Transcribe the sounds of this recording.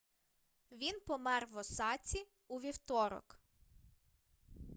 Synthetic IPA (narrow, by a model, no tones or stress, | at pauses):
ʋʲinpɔmɛrʋɔsɑt͡sʲi | uʋʲiwt̪ɔɾɔ̰k